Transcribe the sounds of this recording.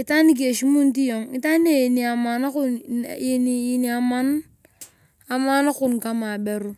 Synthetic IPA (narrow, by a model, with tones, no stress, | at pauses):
i˨ta˦ni˦k̬e˨ʃi˦mu˦n˦ti˦jo˨ŋi˦ta˦ne˦˨ni˨a˨ma˨na˦ku˦ne˦ni˨˦i˦ni˨a˨ma˦n | a˨ma˦na˦kʊ˦˨nka˦ma˨be˨ɾu˦